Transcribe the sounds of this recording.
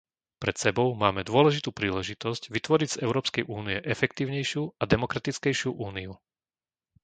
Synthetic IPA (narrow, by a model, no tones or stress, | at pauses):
pɾɛt̪sɛbɔʊmaːmɛd̪ʊɔlɛʒit̪uːpɾiːlɛʒit̪ɔscʋit̪ʋɔɾiɟz̥ɛʊɾɔːpskɛjʔuːniɛʔɛfɛkt̪iːʊɲɛjʃɪuad̪ɛmɔkɾat̪it͡skɛjʃɪuʔuːniu